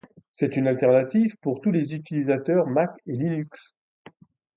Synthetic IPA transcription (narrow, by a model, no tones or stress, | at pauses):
sɛt̪ynalt̪ɛʁnat̪ivpuʁt̪ulezyt̪ilizat̪œʁmakelinyks